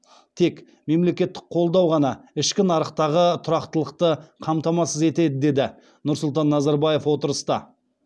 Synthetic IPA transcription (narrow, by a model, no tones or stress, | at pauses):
t̪ʰe̞k | me̞mle̞kʲe̞t̪ːɪ̥k̚qʰo̞lˠd̪ɑwʁɑnɑɪʃkʲɪnɑɾəqt̪ɑʁət̪ʰʊɾɑqt̪əlˠəqt̪əqʰɑmt̪ɑmɑsəze̞t̪e̞d̪ɪd̪e̞d̪ɪ | nʊɾsʊlˠt̪ɑnːɑzɑɾbɑje̞fwo̞t̪əɾəst̪ɑ̰